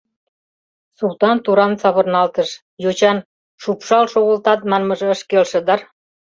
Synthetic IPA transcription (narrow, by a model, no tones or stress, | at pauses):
sult̪ɑnt̪uɾɑnsɑβɤ̆rnɑlt̪əʃ | jot͡ɕɑn | ʃupʃɑlʃoɣə̆lt̪ɑt̪̚mɑnmə̆ʒĕə̆ʃkelʃə̆d̪ɑr